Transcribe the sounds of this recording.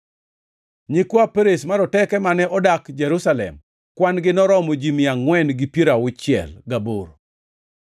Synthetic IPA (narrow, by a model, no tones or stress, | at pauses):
ɲikwapeɾesmaɾɔtɛkɛmanɛʔɔdakd͡ʒɛɾusalɛ̰m | kwanɡɪnɔɾɔmod͡ʒimiaŋwɛnɡipjeɾawʊt͡ʃɪɛ̰lɡaboɾ